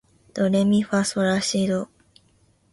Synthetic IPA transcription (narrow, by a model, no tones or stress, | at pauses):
d̪̥oɾemʲiɸasaɾaɕid̪o